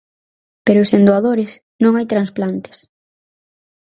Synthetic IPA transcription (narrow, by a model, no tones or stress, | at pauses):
peɾʊːsend̪oaðoɾɪs | nõŋajt̪ɾansplant̪ɪ̥s